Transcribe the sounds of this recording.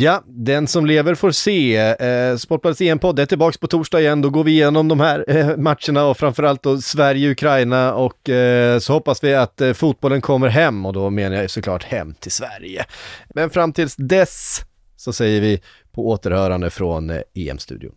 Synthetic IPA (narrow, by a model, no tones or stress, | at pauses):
jad̪ɛnsɔmleːvəɾfoːɾseː | spɔʈːad̪əseːɛmpʰɔd̪ːɛʈɪlbɑːkspɔt̪ʰuːʂɖɑːɡɪjɛnd̪ɔɡoːɾvɪɪjeːnɔmd̪ɔmhæɾmat̪ʂəɳaɔfɾamfœɾalt̪̚d̪ɔsvæɾjəʊkʰɾajnaɔkːsɔhɔpːasvɪat̪fuːt̪̚bɔlːənkʰɔmːəɾɦɛmːɔd̪ɔmeːnajasɔkʰlɑ̰ːʈhɛ̰mːt̪ʰɪlsvæ̰ɾjə̰mɛnfɾamt̪ʰɪːd̪sd̪ɛs | sɔsɛjːəɾvɪ | pʰɔoːt̪əɾhœːɾand̪əfɾɔ̰nḛːɛ̰mst̪ʉ̟ːd̪ɪ̰ʊ̰n